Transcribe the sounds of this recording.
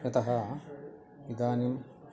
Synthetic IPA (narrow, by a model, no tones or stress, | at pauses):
jɐt̪ɐɦɐ | ʋid̪aːnim